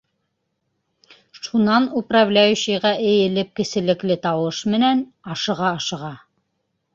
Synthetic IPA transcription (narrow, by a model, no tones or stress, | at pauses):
ʃunɑnuprɑvlʲæjʉɕɘ̆ʁɑʔɘ̆jɘ̆lɘp̚kɘ̆sɘ̆lɘ̆klɘt̪ɑwɤʃmɘ̆næn | ɑʃɤ̆ʁɑːʃɤ̆ʁɑ